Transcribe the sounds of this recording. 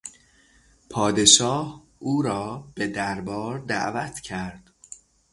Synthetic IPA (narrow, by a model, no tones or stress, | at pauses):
pʰɒːd̪e̞ʃɒːh | ʔuːɾɒːb̥e̞d̪æɾbɒːɾd̪æ̰ʔvæt̪ʰcʰæɾd̪̥